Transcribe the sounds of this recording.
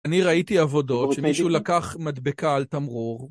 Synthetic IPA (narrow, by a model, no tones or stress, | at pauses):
aniʁaitiavo̞do̞tʃemiʃulakaχmad̪bekaːlt̪amʁuʁ